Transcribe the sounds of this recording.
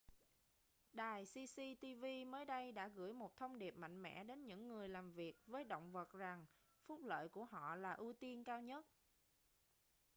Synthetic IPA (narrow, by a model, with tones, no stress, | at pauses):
ɗaː˨˩jsi˧si˧t̪i˧vi˧məː˨˦jɗə˧jɗa̰ː˧˥ɣɨ̰˧˥əjmo˨˩t̚t̪ʰə˧wŋ͡mɗi˨˩əp̚ma̰˧˨jŋ̟mɛ̰˧˥ɗe˨˦nɲɨ̰˧˥ŋːɨ˨˩əjlaː˨˩mvi˨˩ək̚vəː˨˦jɗo̰˧˨wŋ͡mvə˨˩t̚za˨˩ŋ | fʊ˦˥k͡p̚lə̰ː˧˨jku˧˩əɦɔ̰˧˨laː˨˩ʔu˧t̪i˧ənkaː˧wɲə˦˥t̚